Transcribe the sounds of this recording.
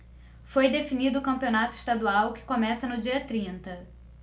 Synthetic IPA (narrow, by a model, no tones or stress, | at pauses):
fojd̪efinid̪ʊːkɐ̃mpionat̪ʊɪ̥ʃt̪ad̪uawkɪ̥komɛsɐnʊd͡ʒiɐt̪ɾĩnt̪ɐ